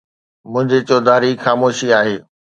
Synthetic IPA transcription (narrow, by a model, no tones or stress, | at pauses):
mʊ̃ɦɪ̃ɲd͡ʑet͡ɕoːd̪aːɾixaːmoːʃiaːɦeː